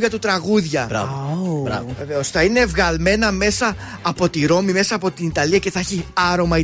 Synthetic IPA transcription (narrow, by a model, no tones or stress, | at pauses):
ɐt̪ut̪ɾɐɣuðʝɐbɾɐ̰bɾɐ̰vveveosθɐine̞ːvɣɐlme̞nɐme̞sɐː | po̞t̪iɾo̞mime̞sɐːpo̞t̪init̪ɐliɐce̞θɐɐçiɐɾo̞mɐi